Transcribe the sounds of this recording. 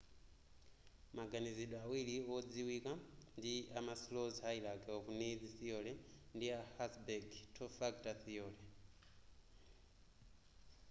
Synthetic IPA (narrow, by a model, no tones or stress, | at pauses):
maɡaniziɗɔawiliɔd͡ziwikandiamaslɔzɦailaɡɛɔkunid͡ziθijɔlɛndiahasbɛɡtʰɔfaɡtaθijɔːlɛ